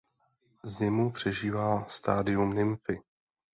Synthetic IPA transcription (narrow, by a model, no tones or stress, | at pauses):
zɪmupr̝̥ɛʒiːvaːst̪aːdɪumnɪmfɪ